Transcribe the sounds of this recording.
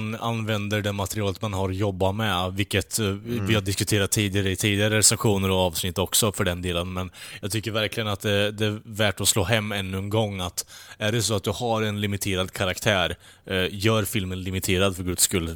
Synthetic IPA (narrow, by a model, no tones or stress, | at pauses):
na̰nvɛnd̪əɖɛmat̪ɛɾɪɑːlət̪manɦaɾɔjɔbːamɛvɪkːət̪vɪhad̪ɪskɵt̪ʰeːɾat̪ʰːiːd̪ɪɡaɾəɪt̪ʰiːd̪ɪɡaɾəɾsɛɧuːnəɾɔɑːvsnɪt̪ːɔksɔfœɖɛnd̪eːlənmɛnjɑːɡ̚t̪ʰʏkːəɾvæɾklɪɡənat̪̚d̪ɛd̪ɛævæʈɔsloːɦɛmːɛnːʉɛnɡɔŋːat̪æɖɛs̬ɔat̪̚d̪ɵhaɾɛnlɪmɪt̪ʰeːɾad̪kʰaɾakt̪ʰæːɾ | jœːɾfɪlmənlɪmɪt̪ʰeːɾad̪fœɾɡɵd̪skɵlː